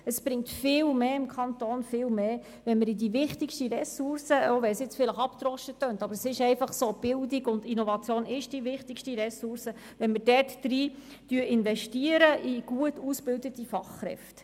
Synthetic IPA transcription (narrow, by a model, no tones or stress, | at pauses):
əsb̥ɾɪŋtfɪːlmeːɪmkʰɑnt̪oːnfɪːlmeː | ʋɛnməɾidiʋɪχtɪkʃtiɾɛsʊrsəoʋɛlsjɪt͡sfɪləχɑpt̪rɔʃətːøːntɑbəɾəsɪʃɛɪfɑχsoːb̥ɪldɪɡʊndinovɑt͡sjoːnɪʃd̥ivɪχtɪkʃtiɾɛsʊɾsə | ʋɛnmərdɛrtːɾiː | tyəʔɪnvɛʃtiːəɾəʔiɡ̥uətusbɪldətifɑχːɾɛ̰ft